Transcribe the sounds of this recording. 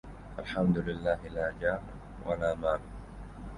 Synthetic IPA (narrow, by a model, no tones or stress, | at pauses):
ʔalħamd̪ʊlɪlːaːɦɪlaːd͡ʒaːɾ | wa̰laːmaːlʊ